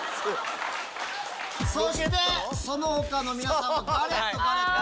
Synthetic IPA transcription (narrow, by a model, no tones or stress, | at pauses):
soɕt̪esonohokano̞mʲinasaaɾeokae